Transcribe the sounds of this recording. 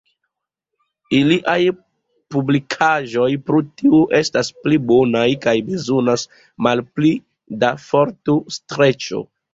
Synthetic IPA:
iliʔaj | publikʰaʒo̞jpɾutiuʔe̞stasplibo̞najkajbezo̞nas | malpli | dafo̞ɾtustɾe̞t͡ʃo̞̰

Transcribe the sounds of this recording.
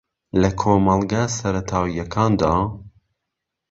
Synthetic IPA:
lɐkʰoːmɐlˠɡaːsɐɾɐt̪ʰɑːwijɐkʰɑːnd̪ɑː

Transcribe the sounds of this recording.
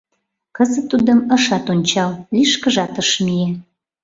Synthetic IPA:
kəzə̆t̪ːud̪əməʃɑt̪onʲt͡ɕɑlliʃkəʒɑt̪əʃmie

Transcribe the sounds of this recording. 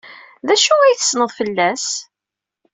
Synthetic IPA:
ðæʃuæjθə̥snəðˤfəlːæs

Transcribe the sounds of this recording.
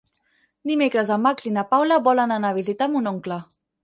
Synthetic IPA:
d̪imekɾəzamːaklinapawlaβɔlənanaβizit̪amunoŋkla

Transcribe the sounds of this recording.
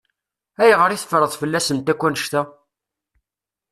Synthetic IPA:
æjʁəɾiθfɾˤəðˤfəlːæsənt̪ækʷːænəʃt̪æ

